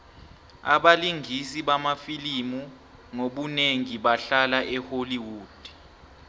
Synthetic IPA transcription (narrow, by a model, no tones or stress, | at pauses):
a̰ɓaliŋʱisiɓamafilimu | ŋoɓuneŋiɓaɬalaʔɛholiwuːd̥ʱi̥